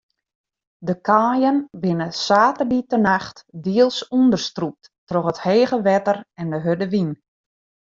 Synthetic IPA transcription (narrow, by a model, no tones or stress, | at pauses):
dəkʰaːjənbɪnəsaːtərditənaxtdiəlˠsundərstrup̚t | trɔχətheːɣəʋɛtərɛndəɦødəʋin